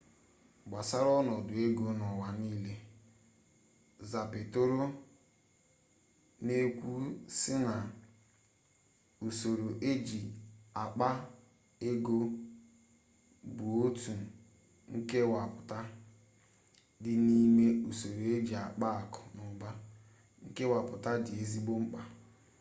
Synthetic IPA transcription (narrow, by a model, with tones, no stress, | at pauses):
ɡ͡ba˨sa˦ɾɔ˦nɔ˨dʊ˨e˦ɡo˦nɔ˨wa˨niː˦le˦ | za˨pe˨to˦ɾo˦ | ne˦kʷu˦sɪ˦na˨ | u˨so˨ɾo˨ʔe˦d͡ʒi˨a˨k͡pa˦ | e˦ɡo˦ | bu˨o˦tu˨ | ŋ̩˦ke˦wa˨pʊ˨ta˦ | dɪ˦ni˦me˦u˨so˨ɾo˨e˦d͡ʒi˨a˨k͡pa˦a˨kɔ̥˨nʊ˨ba˦ | ŋ̩˦ke˦wa˨pʊ˨ta˦dɪ˨e˨zi˦ɡ͡bo˦ŋ͡m̩˦k͡pa˨